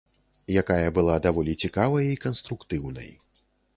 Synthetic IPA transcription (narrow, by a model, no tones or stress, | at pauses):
jakajɐbɨlˠad̪avɔlʲit͡sʲikavɐjikɐnst̪ɾukt̪ɨwnɐ̰j